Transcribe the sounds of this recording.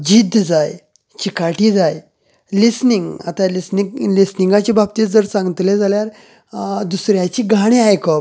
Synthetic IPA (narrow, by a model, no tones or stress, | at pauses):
d͡ʑid̪ʱd͡zaj | t͡ɕikaʈiːd͡zaj | lisniŋɡa̰t̪alisnilisniŋɡat͡ɕibʱab̚t̪iːd͡zəɾsãŋɡt̪uled͡zaljaɾ | d̪usɾjat͡ɕiːɡʱaɽ̃iajkɔp